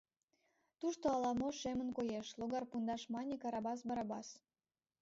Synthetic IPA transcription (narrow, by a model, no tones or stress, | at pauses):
t̪uʃt̪oɑlɑmoʃemənkojeʃloɣɑrpund̪ɑʃmɑnʲekɑɾɑbɑs̬bɑɾɑbɑs